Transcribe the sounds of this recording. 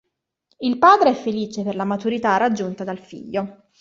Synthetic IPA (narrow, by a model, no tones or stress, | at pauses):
ilpaːd̪ɾeɛfːeliːt͡ʃeperlamat̪uɾit̪arad͡ʒːunt̪ad̪alfḭʎːo